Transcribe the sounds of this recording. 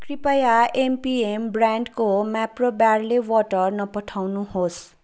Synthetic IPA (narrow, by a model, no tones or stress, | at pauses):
kripʌjaempiembraɳɖkomaprobjarlewɔʈʌrnʌpʌʈʰawnuhos